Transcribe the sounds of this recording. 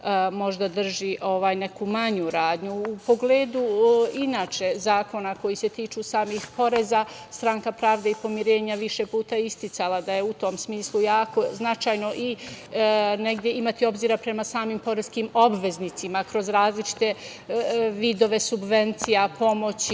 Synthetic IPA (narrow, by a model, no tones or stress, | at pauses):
mo̞ʒd̪ad̪r̩ʒiʔo̞ʋaːjne̞kumaɲuɾaːd̪ɲuːpo̞ɡleːd̪uinaːt͡ʃe̞zaːko̞nako̞jise̞t̪iːt͡ʃuːsaːmixpo̞ɾe̞za | st̪ɾaŋkapɾaːʋd̪eipo̞miɾe̞ːɲaʋiʃe̞puːt̪aist̪it̪salad̪aje̞ut̪omsmiːslˠujaːko̞znat͡ʃajno̞ʔi | ne̞ɡd̪je̞imat̪io̞bziːɾapɾe̞masaːmimpo̞ɾeskimo̞bʋe̞znit̪simakɾo̞zɾaːzlit͡ʃi̥t̪e̞ | ʋid̪o̞ʋe̞subʋe̞nt̪sijapo̞mo̞t͡ɕ